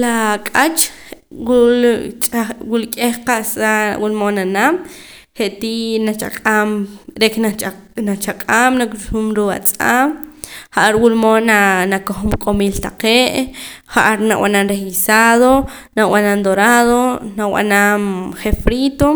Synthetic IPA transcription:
lakʼat͡ʃwult͡ʃʼawulkʼeχqaʔsawulmonanam | χeʔt̪iːnat͡ʃa̰kʼamɾeknanat͡ʃakʼamnakuʃumɾua̰t͡sʼamχaʔaɾwulmonanakoχomkʼomiːlt̪aqeːʔχaʔaɾnawa̰nanɾexisaðo | nawanand̪oɾaðonawa̰namχefɾit̪o

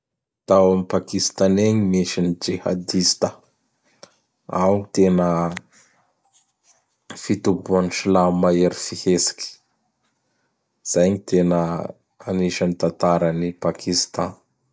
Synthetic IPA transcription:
t̪awamipakist̪aneɲimeʃinid͡ʒeha̰d̪ist̪ə | awt̪enə | fit̪ubuaniʃilamaeɾifihesi̥kʲi̥ | z̥ajɲit̪enəː | neʃanit̪at̪aɾanipakʰist̪ã

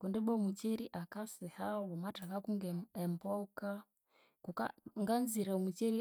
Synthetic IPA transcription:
kundibɔmut͡ʃɛɾiʔakasɛhawɔmatakakuŋɡɛɛmbɔka | kukaŋɡanziɾɛumut͡ʃɛɾi

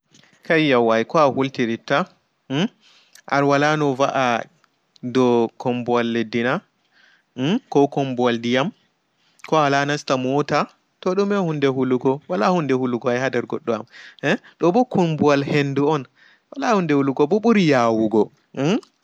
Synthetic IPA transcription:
kajːawːajkɔahultiɾita | ʔa̰ɾwalanɔvaʔa | dɔkɔmbualːedːina | kɔkɔmbualdijam | kɔalanastamɔta | tɔɗumɛhundɛhuluɡɔwalahundɛhuluɡɔajhadɛɾɡɔ̰ɗːɔamɛɗɔbɔkɔmbualhenduɔn | walahundɛhuluɡɔbɔɓuɾijawuɡɔ

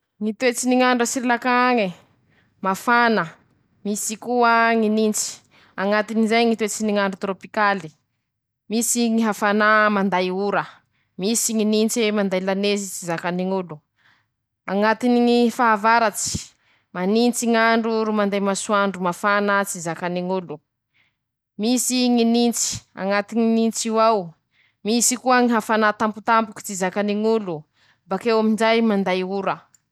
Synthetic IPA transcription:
ŋit̪uet͡siniŋaɳɖ͡ʐəsiɾilakaŋi | mafanə | misikuəŋinint͡si̥ | aŋat̪inizajŋit̪et͡siniŋaɳɖ͡ʐut̪ɾopikali̥ | misiŋiɦafanamand̪ajuɾə | misiŋinint͡simand̪ajlanezit͡sizakaniŋulu | aŋat̪iniifaɦavaɾat͡si̥ | manint͡siŋaɳɖ͡ʐuɾumand̪ajmasuaɳɖ͡ʐumafanat͡sizakaniŋulu | misiŋinint͡si̥a̰ŋat̪iɲinint͡siwaw | misikuaŋiɦafanat̪amput̪ampuki̥t͡sizakaniŋulu | bakewamind͡ʒajmand̪ajuɾə

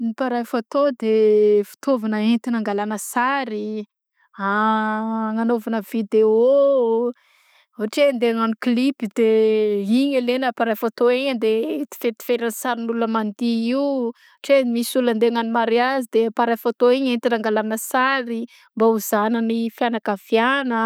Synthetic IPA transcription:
nipaɾajfat̪od̪efi̥t̪ʰovanəent̪inaŋɡalanəsaɾi | a | ŋanovanəv̥id̪eo | oʈ͡ʂend̪eŋaniklipid̪eiɲelenəpaɾafat̪oeɲəd̪et̪i̥fet̪i̥feɾansaɾinuləmand̪iiu | ʈ͡ʂenimisulənd̪eŋanimaɾiazid̪epaɾafat̪oiɲent̪inaŋɡalanəsaɾi | mbauzanənifjanakafjanə

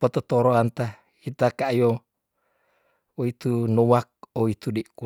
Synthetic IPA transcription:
pət̪ot̪oɾoant̪a | it̪akaːjo | oit̪unowak̚oit̪udiʔku

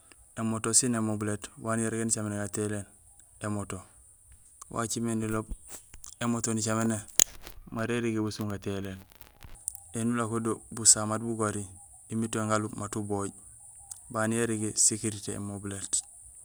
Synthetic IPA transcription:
emotosinemobletwanijeɾɡenit͡ʃameneɡatelen | emoto | wa̰t͡ʃimendilob̚ | emotonit͡ʃamene | maɾeɾiɡebusumɡatelen | enulakodobusamat̚buɡoɾi | imitoeŋɡalubmatuboɟ | banieɾiɡesekuɾiteḛmoblet

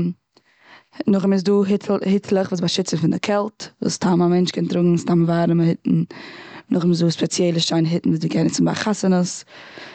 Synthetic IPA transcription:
nʊχɪmɪsduːɦɪtʰhɪtʰlˠəχvuːs̬baʃɪt͡sənfɪndɪkʰɛlˠtvṵːstʰamamɛnt͡ʃkʰɛntɾʊɡŋ̩stamvaːɾəməhɪtn̩nʊχɪmɪnzduːspɛt͡sjɛɪlˠəʃtaɪnɦɪtn̩vuːsdɪkʰɛnət͡sɪnba̰χasənəs

